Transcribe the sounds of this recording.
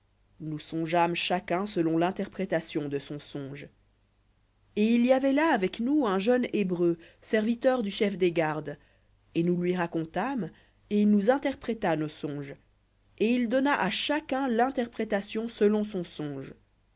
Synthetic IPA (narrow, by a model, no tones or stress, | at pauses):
nusɔ̃ʒamʃakɛ̃səlɔ̃lɛ̃t̪ɛʁpχet̪asjɔ̃d̪əsɔ̃sɔ̃ʒ | eiliavɛlaːvɛknuɛ̃ʒœnebʁøsɛʁvit̪œʁd̪yʃɛfd̪eɡaʁd̪ | enulɥiʁakɔ̃t̪am | enuzɛ̃t̪ɛʁpχet̪anosɔ̃ʒ | eild̪ɔnaʔaʃakɛ̃lɛ̃t̪ɛʁpχet̪asjɔ̃səlɔ̃sɔ̃sɔ̃ʒ